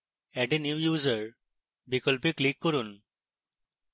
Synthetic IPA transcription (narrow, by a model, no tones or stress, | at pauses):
ɛʈenjuːjuːzəɾ | bikɔlpiklikːɔɾun